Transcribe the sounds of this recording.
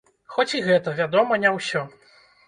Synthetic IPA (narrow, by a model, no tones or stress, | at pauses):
xɔt͡sʲiɣɛt̪ɐvʲad̪ɔmɐnʲɛwsʲɔ